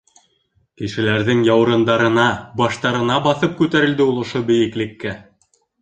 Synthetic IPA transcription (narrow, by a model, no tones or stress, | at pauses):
kɘ̆ʃɘ̆læɾðɘŋjɑw̆ɾɤ̆nd̪ɑɾɤ̆nɑbɑʃt̪ɑɾɤ̆nɑbɑθɤp̚kʉt̪æɾɘ̆ld̪ɘulˠŏʃobɘ̆jɘ̆klɘ̆kːæ